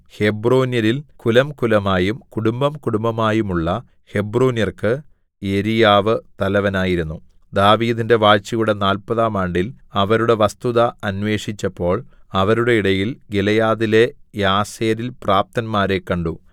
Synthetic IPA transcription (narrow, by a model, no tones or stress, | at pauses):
he̞broːnjɐɾilkulɐmkulɐmaːjumkuɽumbɐmkuɽumbɐmaːjumuɭːɐ | he̞broːnjɐrkɨ | eɾijaːʋɨt̪ɐlɐʋɐnaːjiɾunːu | d̪aːʋiːðinde̞ʋaːt͡ɕːijuɽe̞naːlpɐðaːmaːɳɖil | ɐʋɐɾuɽe̞ʋɐst̪uðɐɐnʋe̞ːʂit͡ɕːɐpːo̞ːɭɐʋɐɾuɽe̞iɽɐjilɡelɐjaːðile̞jaːseːɾilpraːp̚t̪ɐnmaːɾe̞kːɐɳɖu